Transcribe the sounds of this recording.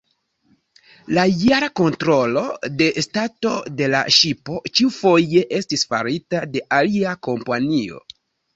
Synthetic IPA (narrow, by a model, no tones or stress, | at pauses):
lajaɾako̞ntɾo̞lo̞de̞stato̞de̞la̰ʃipo̞t͡ʃiufo̞je̞ʔe̞stisfa̰ɾitade̞ʔaliako̞mpanio̞̰